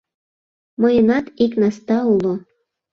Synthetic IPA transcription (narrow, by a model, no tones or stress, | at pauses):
mɤ̆jənɑt̪iknɑst̪ɑulo